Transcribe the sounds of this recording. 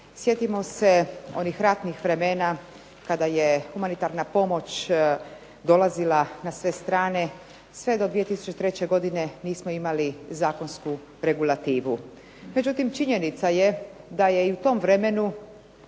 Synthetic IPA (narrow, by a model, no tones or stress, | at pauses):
sje̞t̪imo̞seo̞nixɾat̪nixʋɾe̞me̞ːna | kad̪aje̞xumanit̪aɾnapo̞mo̞t͡ɕ | d̪o̞lazilanasʋe̞st̪ɾaːne̞ | sʋe̞d̪o̞d̪ʋije̞t̪isu̥t͡ɕet̪ɾet͡ɕe̞ɡo̞d̪ine̞niːsmoimalizaːko̞nsku | ɾe̞ɡulat̪iːʋu | me̞d͡ʑut̪imt͡ʃiɲe̞nit̪saje̞d̪aje̞iut̪o̞mʋɾe̞me̞nu